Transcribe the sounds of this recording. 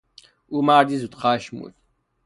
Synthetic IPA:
umaːɾd̪izut̪ʼqaːʃmṵt̪

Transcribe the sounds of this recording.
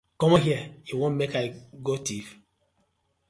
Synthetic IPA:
kɔ̃mɔɦiɛjiwõnmekaɪɡotif

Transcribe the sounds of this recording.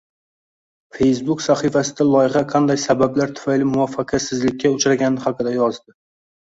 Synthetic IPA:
f̞ejsbʊksaχɨfasɪd̪alˠɒjɪʁɑqʰɑnd̪ajsabablaɾt̪ʰʊ̥fajlɪmʊvafːɑqʰɑsɪzlɪkʲʰːaʊt͡ʃʰɾaɡʲanɪχaqɨd̪ajɒzd̪ɪ

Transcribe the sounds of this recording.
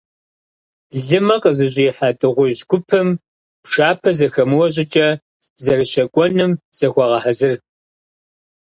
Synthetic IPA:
ɮɨmɐqʼəzɨʑʼiːħatʼɨʁʷʊʑɡʷʊpʰɨm | pʂaːpʰɐzɐxɐmɨwɔɕ̬ʼɪt͡ʃʼɐ | zɐrɨɕɐkʷʼɔnɨmz̥ɐxʷɐʁɐħɐzɨr

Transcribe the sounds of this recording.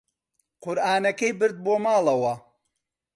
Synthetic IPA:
qʊɾʔaːnɐkɐjbɨɾd̪̚boːmaːlˠɐwɐ

